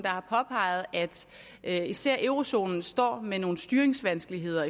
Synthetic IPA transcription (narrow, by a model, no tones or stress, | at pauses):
d̥ɑ̈hɑ̈pʰɒ̽pʰɑ̈ɪ̰ð̩ˠæd̥ | ʔisæɐ̰ʔøʊʁo̝so̝̰ːnn̩sd̥ɒ̰ːmeno̝ːn̩sd̥yɐeŋsʋænsɡ̥əliɦe̝ð̞̰ˠɐi